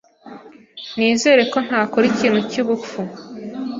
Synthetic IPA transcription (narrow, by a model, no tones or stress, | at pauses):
niːze̞ːɾe̞ko̞n̥haːko̞ɾiciːn̤̥uciβufu